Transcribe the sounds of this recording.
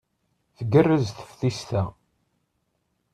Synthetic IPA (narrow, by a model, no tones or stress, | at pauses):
θəɡərːəzθə̥fθist̪æ